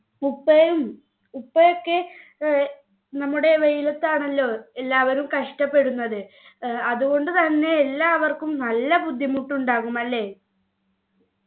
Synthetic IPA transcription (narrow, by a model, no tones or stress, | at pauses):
upːɐum | upːɐjokːe̞ | nɐmːuɽe̞ʋejilɐt̪ːaːɳɐlːo̞ːelːaːʋɐɾumkɐʂʈɐpːe̞ɽunːɐðɨ | ɐðuɣo̞ɳɖɨt̪ɐnːe̞ːlːaːʋɐrkumnɐlːɐbud̪ʱjɐmuʈːuɳɖaːɣumɐlːe̞ː